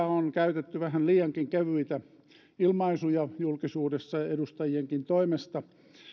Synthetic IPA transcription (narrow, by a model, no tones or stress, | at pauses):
onkæyt̪et̪ːyʋæhænliːjɑŋkiŋkeʋyit̪æ | ilmɑisujɑjulkisuːdesːɑedust̪ɑjieŋkint̪oimest̪ɑ